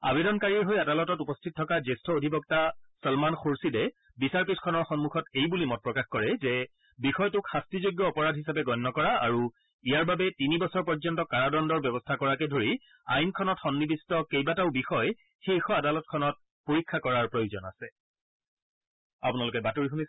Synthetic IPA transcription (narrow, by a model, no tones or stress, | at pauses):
a̰bedɔnkaɹiɹɦojadalɔtɔtupɔstʰit̚tʰɔkazestʰɔodʱibɔk̚tasɔlmanxoɹsidɛ | bisaɹpitkʰɔnɔɹxɔnmuxʰɔtejbulimɔt̚pɹɔkaxkɔɹɛzɛ | bixɔjtʊkxastɹizoɡjɔːpɔɹadʱɦisapɛɡɔjnːɔkɔɹaaɹu | ijaɹbabɛtinibɔsɔɹpɔɹzɔntɔkaɹadɔndɔɹbɛbɔstʰakɔɹakɛdʱoɹi | a̰jnkʰɔnɔtxɔnːibistɔkejbataʊbixɔj | xexɔadalɔtkʰɔnɔt̚ | poɹikʰːakɔɹaɹpɹojozɔ̰na̰sɛ | a̰punalʊkɛbatoɹixunis